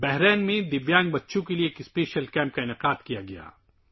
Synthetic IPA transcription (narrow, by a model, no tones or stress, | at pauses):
bɛɦɾɛːnmẽd̪ɪbjãːŋɡbɐtːʃõkelieːkɪspeːʃəlkɛ̃ːmp̚kaɪnɪqaːd̪kijaɡɐja̰ː